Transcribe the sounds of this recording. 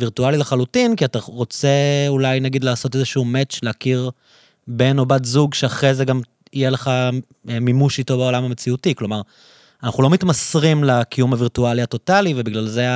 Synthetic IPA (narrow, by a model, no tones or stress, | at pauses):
viʁtualileχalutinkiataʁo̞t͡se̞ulajnaɡid̪laːso̞t̪ezeʃuumet͡ʃleakiʁ | beno̞batzuɡʃeaχʁezeɡam | ijeleχa | mimuʃito̞beo̞lamamet͡siutiklo̞maʁ | anaχulo̞mitmasʁimlakijumhaviʁtualiato̞talivebiɡlalze